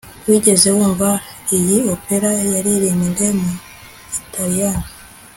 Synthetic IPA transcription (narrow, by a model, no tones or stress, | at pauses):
twiːɟe̞ze̞wuːɱvaijiopeɾajaɾiɾiːniŋɡemu | itʰaɾijana